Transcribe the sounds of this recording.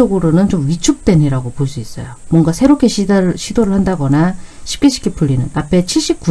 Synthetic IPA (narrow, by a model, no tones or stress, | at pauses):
ʌɡɯɾonɯnt͡ɕomɥit͡ɕʰuk̚t͈we̞ɲiɾaɡopoɭs͈uis͈ʌ̰jomwʌŋɡasʰe̞ɾop̚kʰe̞ɕʰiaɕʰidoɾɯɭhandaɡʌnaɕʰi̥p̚k͈eɕʰi̥k͈ʰep͈uɭʎːinɯnapʰe̞t͡ɕʰiɭɕ͈ip̚k͈u